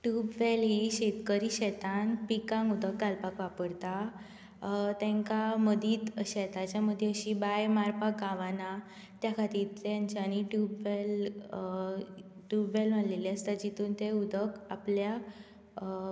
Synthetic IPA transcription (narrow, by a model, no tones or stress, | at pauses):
ʈubʋɛlɦiɕet̪kəɾiɕɛt̪anpikãŋɡud̪ʱək̚ːalpakʋapəɽt̪a | t̪ɛ̃ŋkaməd̪ʱiːt̪ɕɛt̪at͡ɕjaməd̪ʱːeəɕibajmaɾpak̚ɡaʋana | t̪jakʰat̪iːjaɲt͡ɕañiʈubʋel | ʈubʋɛlʋanleliast̪ad͡ʑit̪uːnt̪eud̪ʱəka̰plja